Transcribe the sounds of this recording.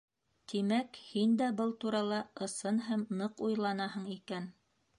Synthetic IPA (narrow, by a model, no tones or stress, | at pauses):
t̪imækhind̪æbɤlˠt̪uɾɑlˠɑʔɤ̆sɤnɦæmnɤqujlˠɑnɑɦɤɴikæn